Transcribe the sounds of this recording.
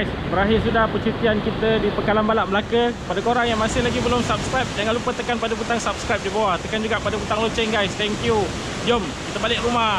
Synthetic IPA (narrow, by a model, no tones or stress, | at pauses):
sbəɾaɦɪrsudahpət͡ʃit̪iankit̪ədipəkalanbalaʔməlakəpadakoɾaŋjaŋmãsɪhlaɡibəlʊmsap̚skɾajp̚d͡ʒaŋanlupət̪əkanpadabut̪aŋsap̚skɾajp̚dibawaht̪əkand͡ʒuɡaʔpadaput̪aŋlot͡ʃɛŋɡajst̪ɛŋkju | d͡ʒom | kit̪əbalɪkruma